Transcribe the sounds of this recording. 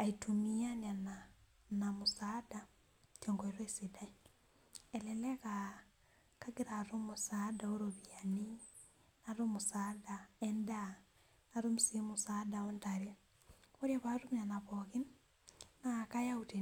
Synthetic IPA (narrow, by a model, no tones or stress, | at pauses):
aitumianana | namusaːda | tjɔŋɡeɾwesidai | ɛlɛlɛɣa | kaɡiɾaɾomusadaoɾoβiani | naɾomusaːdaɛnda | naɾomusimusadaondaɾi | oɾjaβaɾumuɲanaβoɣin | nakajauti